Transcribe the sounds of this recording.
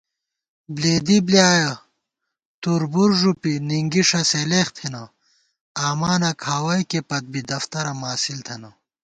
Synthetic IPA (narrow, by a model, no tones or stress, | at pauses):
bleːd̪ibliaːjɐ | t̪uɾbuɾʐupiniŋɡiʂɐseleːxt̪ʰinɐ | aːmaːnɐkʰaːwɐjkepɐt̪̚bid̪ɐft̪ɐɾɐmaːsilt̪ʰɐnɐ